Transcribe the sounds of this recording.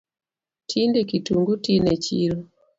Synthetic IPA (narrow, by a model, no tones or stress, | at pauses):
tʰindekituŋɡutinet͡ʃiɾo